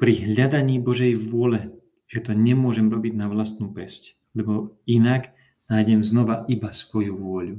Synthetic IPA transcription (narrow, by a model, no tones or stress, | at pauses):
pɾiɦʎad̪aɲiːbɔʒɛjʋʊɔlɛ | ʒ̥ɛt̪ɔɲɛmʊɔʒɛmɾɔbiɟnaʋlast̪nuːpɛsc | lɛbɔinaɡ | najɟɛmznɔʋaʔibasʋɔjuʋʊɔʎu